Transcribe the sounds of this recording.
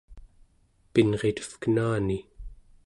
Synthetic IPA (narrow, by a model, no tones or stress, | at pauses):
pinʁe̞t̪ə̥fkənaːni